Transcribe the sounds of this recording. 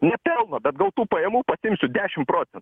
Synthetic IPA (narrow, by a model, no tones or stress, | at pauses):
nʲɛpʲɛlˠnoːbʲɛt̪ɡɐlˠt̪uːpɐjɛmuːpɐsʲɪɪmʲsʲʊd̪ʲæːʃʲɪmpɾoːt͡s̪ʲɛnt̪ː